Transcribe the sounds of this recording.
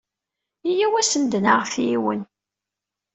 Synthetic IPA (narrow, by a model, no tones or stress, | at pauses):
ijæwæsənd̪ənaʁfiwə̰n